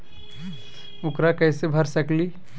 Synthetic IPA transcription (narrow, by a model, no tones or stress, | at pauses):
ʊkɾakɛːsebʱɐɾsɐkli